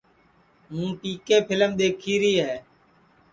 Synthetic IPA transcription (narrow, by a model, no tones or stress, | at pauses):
ɦũːʈiːkeːpʰɪləmɗ̪eːkʰiːɾiːɦeː